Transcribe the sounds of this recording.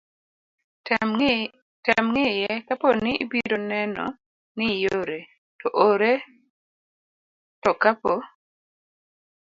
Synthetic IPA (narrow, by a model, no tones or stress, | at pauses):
tamŋɪjɛkaponɪibiɾonɛnɔ̰ | nɪjoɾe | tɔʔoɾe | tɔkapo